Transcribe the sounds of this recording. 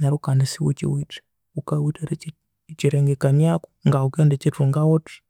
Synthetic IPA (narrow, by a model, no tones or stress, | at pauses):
naɾukanisiwṵt͡ʃḭwite̥ | ukawitaɾi | t͡ʃiɾeŋɡekamjaku̥ŋɡaukondet͡ʃituŋɡawoti̥